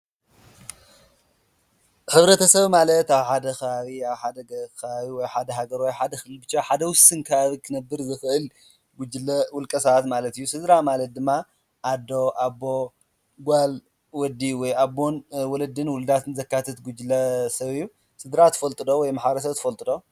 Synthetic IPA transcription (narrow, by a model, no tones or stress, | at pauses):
ħɨβɾɐt̪ʰɐsɐβmalɐt̪aβħad̪ɐxɐβaβiaβħad̪ɐɡɐkɐβaβiwɔjħad̪ɐɦaɡɐɾwɔjħad̪ɐxɨlɨlbɨt͡ʃːaħad̪ɐwʊsɨnkʰɐβaβikʰɨnɐbːɨɾzɨxɨʔɨl | ɡud͡ʒlɐwʊlkʼɐsɐβat̪malɐt̪ɨjːusɨd̪ɾamalɐt̪̚d̪ɨmːa | ʔad̪ːo̞ʔabːo | ɡʷal | wɔd̪iwɔjabːonwɔlɐd̪ɨnwʊlɨd̪at̪ʰɨnzɐkːat̪ʰɐt̪ɡud͡ʒlɐsɐβijːu | sɨd̪ɾat̪ʰɨ̥fɐlt̪ʼɨd̪owɔjmaħbɐɾɐs̬ɐβt̪ʰɨfɐlt̪ʼɨd̪o